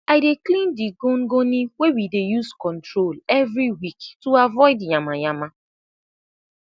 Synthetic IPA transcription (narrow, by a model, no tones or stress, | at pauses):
aɪdeklĩndiɡonɡoniwewidejuskɔntɾolevɾiwiktuavɔɪdjamaɲama